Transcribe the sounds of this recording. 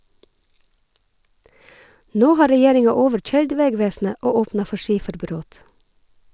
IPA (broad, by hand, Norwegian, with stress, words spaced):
ˈnoː ˈhɑː ɾɛˈjeːɾɪŋɑ ˈoːʋəɹˌc͡çœʏɹɖ ˈʋeːˌɡʋeːsn̩ə ˈoː ˈoːpnɑ ˈfɔ ˈʃiːfəɾˌbɾoːt